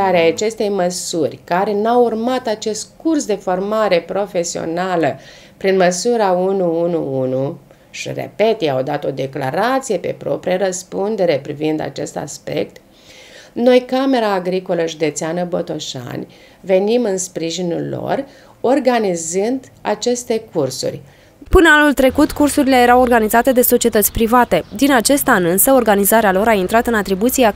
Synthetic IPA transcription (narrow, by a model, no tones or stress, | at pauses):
aɾeaat͡ʃe̞st̪e̞jməsurʲkaɾe̞nawurmat̪at͡ʃe̞st̪̚kursd̪e̞fo̞rmaɾe̞pɾo̞fe̞sio̞̰nalə | pɾinməsuɾaunuunuunu | ʃḭrḛpe̞t̪jeawd̪at̪o̞d̪e̞kla̰ɾat̪sije̞pe̞̰pɾo̞̰pɾijaɾəspund̪e̞ɾe̞pɾivind̪a̰t͡ʃe̞st̪a̰spe̞̰kt̪ | no̞jkame̞ɾaːɡɾiko̞ləʒud̪e̞t̪seanəbot̪o̞ʃa̰nʲ | ve̞nimɨnspɾiʒinṵlːo̞̰r | o̞rɡanizɨnd̪ | a̰t͡ʃe̞st̪e̞kursṵrʲ | pɨnəanult̪ɾe̞kut̪kursuɾile̞jeɾawo̞rɡanizat̪e̞d̪e̞so̞t͡ʃiet̪ət̪sʲpɾivat̪e̞d̪inat͡ʃe̞st̪anɨnsəo̞rɡanizaɾealo̞ɾaint̪ɾat̪ɨnat̪ɾibut̪sia